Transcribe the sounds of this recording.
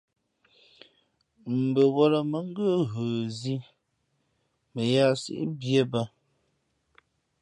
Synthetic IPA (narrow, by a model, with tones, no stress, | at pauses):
m̩˨bə˨wɔ˦lə˨mə˨˦ŋ˦ɡə˦ɣəː˨zi˦ | mə˨ja˦˨sḭ˨ʔbje˦ba˦